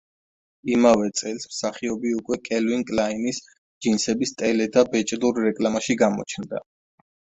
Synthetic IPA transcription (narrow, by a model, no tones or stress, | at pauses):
imavɛt̪sʼɛlˠsmsaχiɔbiukʼwɛkʼɛlviŋkʼlainis | d͡ʒinsɛbist̪ʼɛlɛd̪abɛt͡ʃʼluɾːɛkʼlamaʃiɡamɔ̰t͡ʃʰnd̪a̰